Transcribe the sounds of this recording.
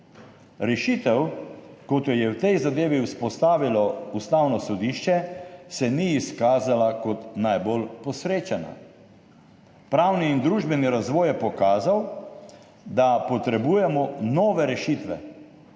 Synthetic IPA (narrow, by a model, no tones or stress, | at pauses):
ɾɛʃit̪ɛwkot̪jɔjɛwt̪ɛjzad̪eːʋiuspɔst̪aːʋilɔust̪awnɔsɔd̪iːʃt͡ʃɛsɛniːskaːzalakɔt̪najbolpɔsɾeːt͡ʃana̰ | pɾawniːnd̪ɾuːʒbɛniɾazʋɔːjɛpɔkaːzaw | d̪apɔt̪ɾɛbuːjɛmɔnɔːʋɛɾɛʃit̪ʋɛ̰